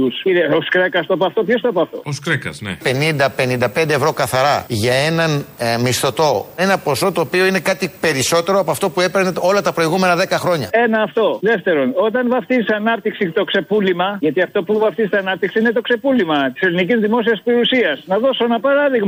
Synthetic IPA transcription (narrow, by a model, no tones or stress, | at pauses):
usiɾeoskɾekɐst̪opɐft̪o̞pçost̪opɐft̪o̞̰oskɾekɐ̰znḛpe̞nind̪ɐpe̞nind̪ɐpend̪eːvɾo̞kɐθɐɾɐʝɐe̞nɐnmist̪o̞t̪o̞e̞nɐpo̞so̞t̪o̞ːpio̞ine̞kɐt̪ipe̞ɾiso̞t̪e̞ɾo̞ɐpoɐft̪o̞pue̞peɾneo̞lɐt̪ɐpɾo̞iɣume̞nɐðe̞kɐxɾo̞ɲɐ̰e̞nɐːft̪o̞ðe̞ft̪e̞ɾo̞no̞t̪ɐnvɐft̪isɐnɐp̚t̪iksit̪o̞kse̞pulimɐʝɐt̪iɐft̪o̞puvɐft̪izsɐnɐp̚t̪iksiinet̪o̞kse̞pulimɐt̪i̥se̞linicizðimo̞s̬iɐspeiusiɐsnɐðo̞soenɐpɐɾɐðiɣmɐ